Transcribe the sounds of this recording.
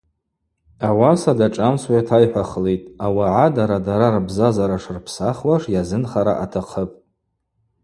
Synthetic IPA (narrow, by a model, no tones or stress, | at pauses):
awasadaʈ͡ʂʼamswajatʰajħʷaχletʼawaʕadaɾadaɾarbzazaɾaʂrpʰsaχwaʂjazɨnχaɾa̰ʔatʰaqʰəpʼ